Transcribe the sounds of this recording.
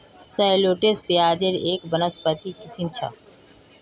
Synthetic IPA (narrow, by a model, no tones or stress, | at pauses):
səjloːʈeːspijaːd͡ʒeɾeːkbənəspət̪iːkɪsint͡ʃʰa̰